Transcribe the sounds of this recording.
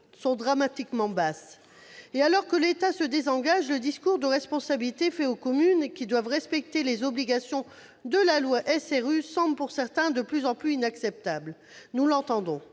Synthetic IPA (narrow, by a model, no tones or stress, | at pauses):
sɔ̃d̪ʁamat̪ikmɑ̃bas | ealɔʁkəlet̪asəd̪ezɑ̃ɡaʒləd̪iskuʁd̪əʁɛspɔ̃sabilit̪efɛokɔmynkʲid̪wavʁɛspɛk̚t̪elezɔbliɡasjɔ̃ | d̪əlalwaʔɛsɛʁysɑ̃blpuʁsɛʁt̪ɛ̃d̪əplyzɑ̃plyinaksɛp̚t̪abl | nulɑ̃t̪ɑ̃d̪ɔ̃